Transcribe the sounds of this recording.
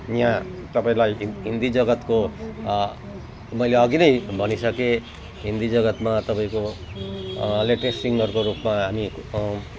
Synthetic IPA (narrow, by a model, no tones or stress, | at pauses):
jãt̪ʌpaĩlajɦɦind̪id͡zʌɡʌt̪ko | mʌjleʌɡinʌjbʱʌnisʌke | ɦind̪id͡zʌɡʌt̪mat̪ʌpaĩko | leʈesːiŋɡʌrkoɾupmaɦami